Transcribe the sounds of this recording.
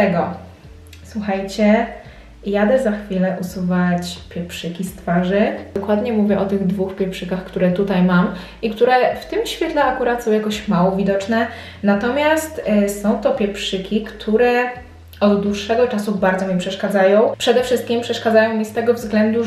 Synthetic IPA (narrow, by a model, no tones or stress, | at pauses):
t̪ɛɡɔ | swuxajt͡ɕɛ | jad̪ɛzaxfʲilɛʔusuvat͡ɕpʲjɛpʂɘkʲist̪faʐɘɔkwad̪ɲɛmuvʲjɛʔɔt̪ɘɣd̪vuxpʲjɛpʂɘkaxkt̪uɾɛt̪ut̪ajmam | ikt̪uɾɛft̪ɘmɕfʲjɛt̪lɛakuɾat̪sɔ̃w̃jakɔɕmawɔvʲid̪ɔt͡ʂnɛ | nat̪ɔmʲjast̪sɔ̃w̃t̪ɔpʲjɛpʂɘkʲikt̪ʰuɾɛ | ɔd̪d̪wuʂːɛɡɔt͡ʂasubaɾd̪zɔmʲɛpʂɛʂkad̪zajɔ̃w̃pʂɛd̪ɛfʂɘst̪kʲimpʂɛʂkad̪zajɔ̃w̃mʲist̪ɛɡɔvzɡlɛnd̪u